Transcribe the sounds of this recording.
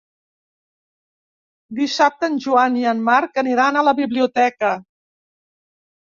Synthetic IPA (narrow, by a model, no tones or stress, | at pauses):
d̪isap̚t̪ənʲʒuaniənmaɾkəniɾanələβiβliut̪ɛkə